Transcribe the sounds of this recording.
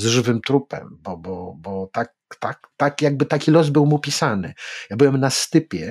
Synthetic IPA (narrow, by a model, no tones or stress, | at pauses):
zʐɘvɘmt̪ɾupɛ̰mbɔbɔbɔt̪ak | t̪akt̪akjaɡ̚bɘt̪akʲilɔzbɘwmupʲisanɘ̰jabɘwɛmnast̪ɘpʲjɛ